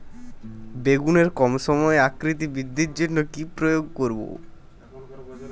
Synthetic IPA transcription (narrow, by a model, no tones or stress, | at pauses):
beɡuneɾkɔmʃɔmɔeakɾit̪ibid̪ʱːiɾd͡ʑonːokipɾojoɡ̚koɾbo̰